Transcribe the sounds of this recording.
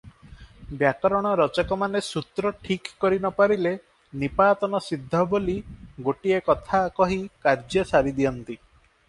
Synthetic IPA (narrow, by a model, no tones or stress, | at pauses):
bjakɔɾɔɽ̃ɔɾɔt͡ʃɔkɔmanesut̪ɾɔʈʰikːɔɾinɔpaɾile | nipaːt̪ɔnɔsid̪ʱːɔboliɡoʈiekɔt̪ʰakɔɦikaɾd͡ʒjɔsaɾid̪iɔnt̪i